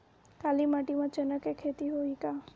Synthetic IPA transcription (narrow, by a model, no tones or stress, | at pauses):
kalimaʈimãt͡ʃənəkekʰet̪iɦoika